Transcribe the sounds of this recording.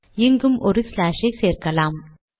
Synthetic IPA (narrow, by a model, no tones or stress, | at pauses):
ɪŋɡɯmʔɔɾɯslaːʂɐɪseːrkɐlaːm